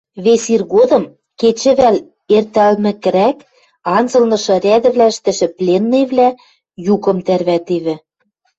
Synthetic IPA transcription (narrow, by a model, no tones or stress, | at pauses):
βesirɣod̪ɤ̆m | ket͡ɕɘ̆βæl | ert̪ælmɘ̆kɘ̆ɾæk | ɑnzɤ̆lnɤ̆ʃɤ̆rʲæd̪ɘ̆βlæɘ̆ʃt̪ɘ̆ʃɘ̆plʲenːeβlæ | jukɤ̆mt̪ærβæt̪eβɘ̆